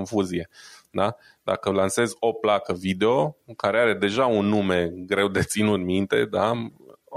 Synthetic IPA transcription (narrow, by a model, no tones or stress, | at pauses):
onfuzije̞d̪a | d̪a̰kəlanse̞zʲo̞plakəvid̪e̞o̞kaɾe̞aɾe̞d̪e̞ʒaunːume̞ɡɾe̞wd̪e̞t̪sinut̪mint̪e̞̰d̪a